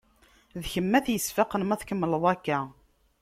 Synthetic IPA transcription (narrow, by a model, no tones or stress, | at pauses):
ðçəmːæθjəsfɑqənmæθkəmːləðˤækːæ